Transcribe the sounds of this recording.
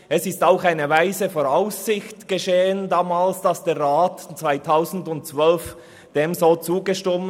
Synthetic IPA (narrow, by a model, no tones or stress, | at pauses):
ɛsɪstaʊxaɪnəvaɪzəfoːɾaʊsːɪçtɡ̥əʃeːəndaːmaːlsd̥ɑsd̥eːɾʁaːtt͡sv̥aɪtʰaʊzn̩dʊnt̚t͡svœlf | d̥eːmzoːt͡suːɡəʃtɪm